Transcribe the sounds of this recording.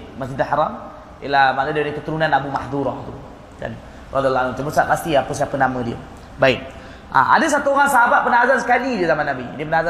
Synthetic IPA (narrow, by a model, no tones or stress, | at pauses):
masd͡ʒid̪ahaɾam | ḭlamanədidəkət̪əɾunanabumahd̪uɾɔht̪ṵ | ka̰n | rɔd̪ialːɔalumt͡ʃəməsat̪past̪iapəsapənamədiə̰ | baɪk̚ | a̰ʔa̰dəs̬at̪uoɣaŋsaɦabat̪̚pənaɦazansə̥kalidiəzamanːabidiəpənaaza